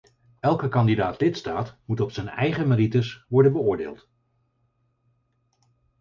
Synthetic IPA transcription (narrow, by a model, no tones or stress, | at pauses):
ɛlˠkəkɑndidaːtlɪtstaːtmutɔpsəjnɛ̰jχəməritəsʋɔɹdənbəʊːɹdḛːlˠt